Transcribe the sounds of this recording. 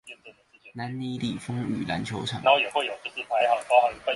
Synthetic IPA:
na˨˦nni˧˥li˨˩fɤ˥ŋy̰˨˩la̰˧˥nt͡ɕʰjo˧˥ʊʈ͡ʂʰɑ̰˨˩˨no˥˩jɛ˨˩xwe˥˩jo˨˩ʊt͡s̩˥˧˩t͡ɕi˧˥˩t̪ʰa˧˥ɪxɑ˨˩ŋk̪xɑ˨˩˥

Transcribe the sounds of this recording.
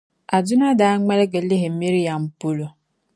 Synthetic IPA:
a˨dʊ˦na˦da˨a˦ŋe˦ɾe˦ɡe˨li˦ɦe˨m̩˦mi˦ɾi˦ja˨m̩˨pu˦lo˨

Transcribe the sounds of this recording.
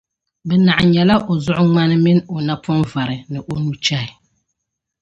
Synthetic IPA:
bɛ˨na˨ʔa˨ɲɛ˨la˦ʔo˨zʊ˦ʔʊ˦ŋ͡ma˦nɨ˦mɪ˦no˨na˦pʰɔ˦nva˨ɾɨ˨nɨ˨ʔo˦nu˦t͡ʃa˦ɪ˨

